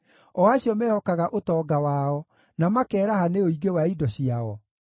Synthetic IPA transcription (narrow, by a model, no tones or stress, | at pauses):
ɔaɕiɔmɛhɔkaɣaʔotɔːɡawaːɔ | namakɛːɾahaneoiɡewaidɔɕiaɔ